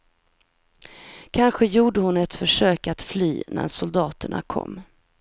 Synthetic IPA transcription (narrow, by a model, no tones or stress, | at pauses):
kʰanɧəjuːɖəhʊnɛt̪fœʂøːkat̪fly̰ːnæ̰ɾsʊld̪ɑːt̪əɳa̰kʰɔ̰mː